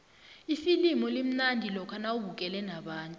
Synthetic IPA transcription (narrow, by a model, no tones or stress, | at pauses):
isilimɔlem̩nandʱilɔkʰanauɓukʼɛlɛnaɓaːntʼu